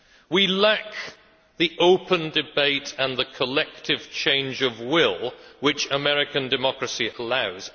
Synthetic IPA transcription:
wilak̚ | ðiʔoʊpə̃ndɨbeɪtə̃nðəkʰəlɛk̚tɪv̥t͡ʃʰẽɪ̃nd͡ʒəvwɪlˠwɪt͡ʃəmɛɹɪkə̃ndɨmɒkɹəsiʔəlaʊz̥

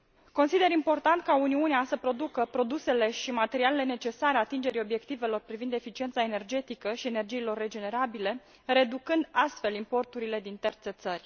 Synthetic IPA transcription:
ko̞nsid̪e̞ɾimpo̞rt̪ant̪kauniuneasəpɾo̞d̪ukəpɾo̞d̪use̞le̞ʃimat̪e̞ɾiale̞le̞net͡ʃe̞saɾeat̪ind͡ʒe̞ɾio̞bje̞kt̪ive̞lo̞rpɾivind̪e̞fit͡ʃie̞nt̪sae̞ne̞rd͡ʒe̞t̪ikəʃie̞ne̞rd͡ʒiːlo̞rːe̞d͡ʒe̞ne̞ɾabile̞ | re̞d̪ukɨnd̪ast̪fe̞limpo̞rt̪uɾile̞d̪int̪ert̪se̞t̪sərʲ

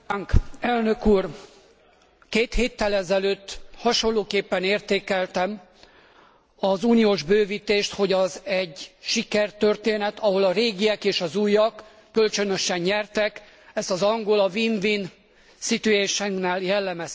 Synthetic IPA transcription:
ŋkɛlnø̞kuːr | keːt̪heːt̪ːɛlɛzɛløːt̪ːhɒʃo̞lːoːkeːpːɛneːrt̪eːkɛlt̪ɛm | ɒzuːnioːʒbøːviːt̪eːʃt̪ho̞ɟɒzɛɟʃikɛrt̪ørt̪eːnɛt̪ʰɒɦo̞lɒɾeːɡiɛkeːʃɒzuːjɒkː | ølt͡ʃønø̞ʃɛɲɲɛrt̪ɛk | ɛst̪ɒzɒŋɡolɒviːnvin | sit̪yeːʃɛŋknæːljɛlːɛmɛs

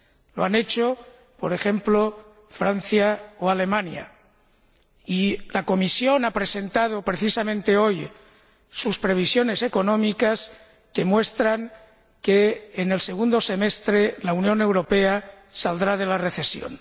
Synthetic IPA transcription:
lo̞ane̞t͡ʃo̞ | po̞ɾe̞xe̞mplo̞ | fɾan̟θjaoale̞mãnja̰ | ilako̞misjo̞napɾese̞nt̪að̞o̞pɾe̞θisamẽnt̪eo̞j | suspɾe̞β̞isjo̞ne̞se̞ko̞nõ̞mikas | ke̞mwe̞st̪ɾaŋ | keːne̞lse̞ɣ̞und̪o̞se̞me̞st̪ɾelaunjõ̞ne̞wɾo̞pe̞a | sald̪ɾað̞e̞lare̞θe̞sjo̞̰n

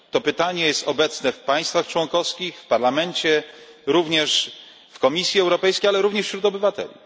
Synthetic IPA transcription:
t̪ɔpɘt̪aɲɛjɛst̪ɔbɛt̪snɛfpaj̃st̪faxt͡ʂwɔŋkɔfskʲixfpaɾlamɛɲt͡ɕɛ | ɾuvɲɛʂ | fkɔmʲisʲjiɛwɾɔpɛjskʲejalɛɾuvɲɛʂɕɾut̪ɔbɘvat̪ɛ̰lʲḭ

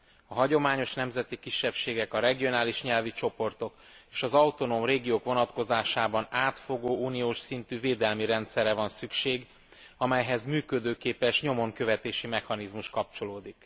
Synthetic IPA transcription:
ɒɦɒɟo̞maːɲo̞ʃnɛmzɛt̪ikiʃːɛpʃeːɡɛkɒɾɛɡio̞naːliʃɲɛlvit͡ʃo̞po̞rt̪o̞k | eːʃɒzɒwt̪o̞noːmreːɡioːkʋo̞nɒt̪ko̞zaːʃaːbɒnaːt̪fo̞ɡoːuːnijoːʃsint̪yːveːd̪ɛlmiɾɛnt̪sɛrːɛvɒnsykʃeːɡ | ɒmɛjɦɛzmyːkød̪øːkeːpɛʃɲo̞moŋkø̞vɛt̪eːʃimɛxɒnizmuʃkɒp̚t͡ʃo̞loːd̪ik

